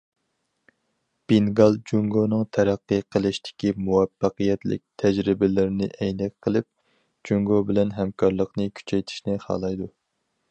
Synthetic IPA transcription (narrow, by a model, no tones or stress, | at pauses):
b̥iŋɡɑlˠd͡ʒuŋɡonɨŋt̪ʰɛɾæqːɨqʰəlˠɨʃt̪ɪ̥kʲimuwɛfːəqəjɛt̪lɪ̰k̚ʲt̪ʰɛd͡ʒɾɪbɪlɪɾɪnɪʔɛjnɛkqʰːəlˠɪp̚ | d͡ʒuŋɡobɪlɛnɦɛmkʰɑɾlˠəqnɨkʲʰy̥t͡ʃʰɛjt̪ʰi̥ʃnɪχɑ̰ːlˠɑjd̪u